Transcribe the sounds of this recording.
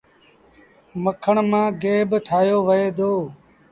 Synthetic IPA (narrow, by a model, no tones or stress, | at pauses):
məkʰəɳmãːɡeːbʈʰaːjoːʋəeːd̪oː